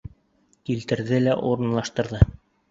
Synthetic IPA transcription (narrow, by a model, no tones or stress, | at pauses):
kilt̪ɘ̆ɾðɘlæʔuɾɤ̆nlˠɑʃt̪ɤ̆ɾðɤ